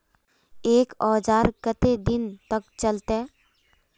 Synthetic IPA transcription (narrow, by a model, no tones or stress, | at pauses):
eːkɔːd͡ʒaːɾkət̪ed̪ɪnt̪ək̚t͡ʃəlt̪e